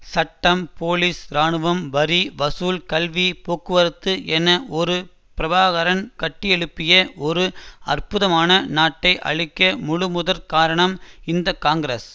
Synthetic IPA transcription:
sɐʈːɐmpoːliːsɾaːɳɯʋɐmʋɐɾiʋɐsuːlkɐlʋipoːkːɯʋɐɾɯt̪ːɯʔɛnːɐɔɾɯ | pɪɾɐbaːɣɐɾɐnkɐʈːɪjɛɻɯpːɪjɐɔɾɯɐrpʊðɐmaːnɐnaːʈːɐɪʔɐ̰ɻɪkːɐmʊɻɯmʊðɐɾkaːɾɐɳɐmɪnd̪ɐkaːŋɡɾes

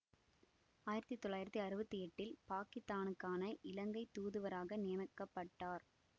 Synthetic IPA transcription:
aːjɪɾɐt̪ːit̪ːɔɭːaːjɪɾɐt̪ːiɐɾɯbɐt̪ːijɛʈːɪlpaːkɪst̪aːnɯkːaːnɐʔɪlɐŋɡɐɪt̪ːuːðɯʋɐɾaːɣɐnɪjɐmɐkːɐpːɐʈːaːɾ

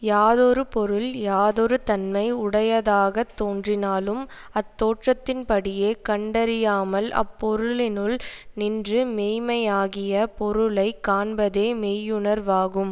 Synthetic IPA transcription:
jaːðɔɾɯpɔɾɯljaːðɔɾɯt̪ɐnmɐɪʊɽɐjɐðaːɣɐt̪ːoːndrɪnaːlɯm | ɐt̪ːoːʈrɐt̪ːɪnpɐɽɪjeːkɐɳɖɐɾɪjaːmɐlɐ̰pːɔɾɯɭɪnɯɭnɪndrɯmeːjmɐjaːɣɪjɐpɔɾɯɭɐɪkːaːɳbɐðeːmeːjɯɳɐɾʋaːɣɯm

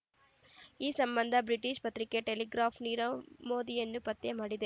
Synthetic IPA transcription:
iːsɐmbɐnd̪ʱɐbɾiʈiʃpɐt̪ɾike̞ʈeliɡɾaːpʰniːɾɐmoːd̪ijɐnːupɐt̪ːemaːɽid̪e̞

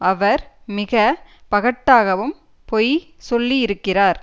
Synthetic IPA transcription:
ɐʋɐɾmɪɣɐpɐɣɐʈːaːɣɐʋɯm | pɔjsɔlːiɪɾɯkːɪraːɾ

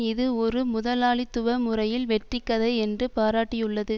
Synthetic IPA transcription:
ɪðɯɔɾɯmʊðɐlaːɭɪt̪ːʊʋɐmʊrɐjɪlʋɛʈrɪkːɐðɐɛndrɯpaːɾaːʈːɪjɯɭːɐðɯ

